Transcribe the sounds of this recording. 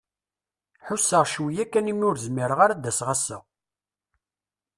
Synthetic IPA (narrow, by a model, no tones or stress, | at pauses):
ħʊsːəʁʃwijækːænimʊɾzmiɾəʁaɾad̪æsʁæsːə